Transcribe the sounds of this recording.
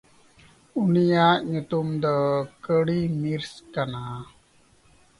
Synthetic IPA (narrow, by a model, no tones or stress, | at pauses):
unijaʔɲut̪umd̪əkəɽimiɾskana